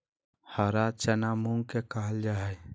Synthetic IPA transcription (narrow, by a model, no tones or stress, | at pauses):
həɾat͡ʃənamuŋɡkekaɦəld͡ʒaɦɛj